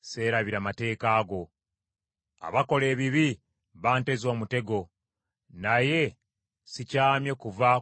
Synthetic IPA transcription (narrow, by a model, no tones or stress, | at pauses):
se̞ːɾaβiɾamate̞ːkaːɡo̞ | a̰βako̞le̞ːβiβi | βaːnte̞zo̞ːmute̞ɡo̞ | naje̞ | sicaːmjekuva